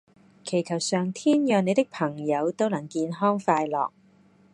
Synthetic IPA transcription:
kʰe˨˩jkʰɐ˨˩wsœː˨ŋt̪ʰiː˥njœː˨˧ŋne˨˧jt̪ɪ˥k̚pʰɐ˨˩ŋjɐ˨˧wt̪o˥wnɐ˨˩ŋkiː˧nɦɔː˥ŋfaː˧jlɔ̰ː˨k̚

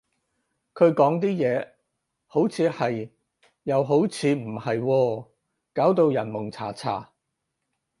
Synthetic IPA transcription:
kʰɵ˨˧ɥkɔː˨˥ŋt̪̬iː˥jɛː˨˧ | ho˨˥wt͡sʰiː˨˧hɐ˨j | jːɐ˨˧wɦo˨˥wt͡sʰiː˨˧m̩˨˩hɐ˨jwɔː˧ | kaː˨˥wt̪o˧wjɐ˨˩nmʊ˨˩ŋt͡sʰa̰ː˨˩t͡sʰa̰ː˨˩

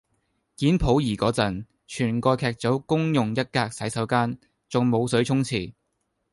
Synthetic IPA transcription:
kiː˨˥npʰo˨˥wjiː˨˩kɔː˨˥t͡sɐ˨˩n | t͡ʃʰyː˨˩nkɔː˧jkʰɛː˨˧k̚t͡so˨˥wkʊ˥ŋjʊ˨ŋjɐ˥t̚kaː˧k̚sɐ˨˥jsɐ˨˥wkaː˥n | t͡sʊ˨ŋmo˨˧wsɵ˨˥ɥt͡sʰʊ˥ŋt͡sʰiː˨˩

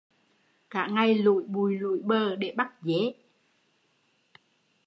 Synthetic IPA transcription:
ka̰ː˧˨ŋa˧jlṵ˧˨jɓu˨˩jlṵ˧˨jɓəː˧˩ɗe˧˩ɓa˦˥t̚ze˨˦

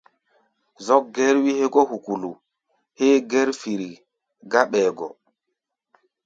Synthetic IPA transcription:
zɔ˦k̚ɡɛ˦ɾwi˦he˦ɡɔ˦hu˨ku˨lu˨ | he˦ɡɛ˦ɾfi˨ɾi˨ | ɡa˦ɓɛː˨ɡɔ̰˨

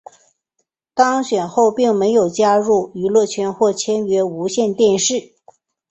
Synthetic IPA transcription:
t̪ɑ˥ŋɕɥɛ˨˩nxo˥˧ʊpi˥˩ŋme˧˥ɪjo˨˩ʊt͡ɕja˥ɻu˥˩y˧˥lwɔ˥˩t͡ɕʰɥɛ˧˥nxwɔ˥˩t͡ɕʰjɛ˥nɥɛ˧˥u˧˥ɕjɛ˥˧nt̪jɛ˥˧nʂɻ̩˥˩

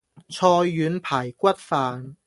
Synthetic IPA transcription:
t͡sʰɔː˧jːyː˨˥npʰaː˨˩jkʷɐ˥t̚faː˨˧n

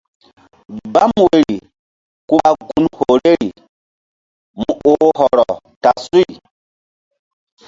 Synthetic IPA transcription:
ba˦mwe˨ɾi˨ | ku˦a˦ɡu˦nho˨ɾe˦ɾi˨ | mu˨o˨˦hɔ˨ɾɔ˨ | ta˨su˦i˨

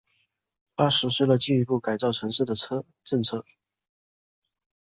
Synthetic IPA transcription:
pa˥ʂɻ̩˧˥ʂɻ̩˥˩lə˩t͡ɕi˥˩i˧˥pu˥˩ka˨˩ɪt͡sɑ˥˩ʊʈ͡ʂʰɤ˧˥ŋʂɻ̩˥˩d̪ə˩t͡sʰɤ˥ | ʈ͡ʂɤ˥˧ŋt͡sʰɤ˥˩

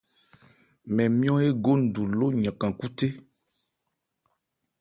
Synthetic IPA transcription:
mɛ̃˨mĩ˦ɔ̃˦e˦ɡo˦n̩˨du˨lo˦ɲã˨kã˨ku˦te˦

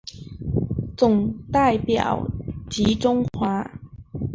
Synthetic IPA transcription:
t͡sʊ˨˩ŋt̪a˥˩ɪpjɑ̰˨˩ʊt͡ɕi˧˥ʈ͡ʂʊ˥ŋxwa˧˥

